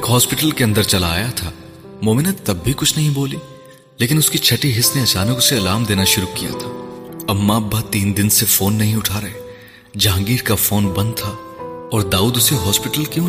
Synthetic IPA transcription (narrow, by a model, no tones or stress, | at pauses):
eːkɦɔːspɪʈəlkeɐ̃nd̪əɾt͡ʃɐlaːjat̪ʰaː | moːmɪnət̪ɐbːʱikʊt͡ʃʰnɐɦĩboːliː | leːkɪnʊskit͡ʃʰɐʈiɦɪsneɐt͡ʃaːnəkʊseːlaːmd̪eːnaʃʊɾukija̰t̪ʰaːɐmːaɐbːat̪iːnd̪ɪnsefoːnːɐɦĩʊʈʰaːɾɐɦe | d͡ʒãːŋɡiːɾkafoːnbɐ̃nd̪̚t̪ʰaː | ɔːɾd̪aːuːd̪ʊseɦɔːspɪʈəlkjõː